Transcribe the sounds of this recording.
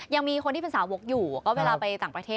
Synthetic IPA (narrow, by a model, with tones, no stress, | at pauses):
ja˧ŋmiː˧kʰo˧ntʰiː˥pʰe˧saː˩˦wo˦˥k̚juː˨˩˨kɔː˥˩weː˧laː˧pa˧jt̪aː˨˩ŋpɾa˧t̪ʰeː˥˩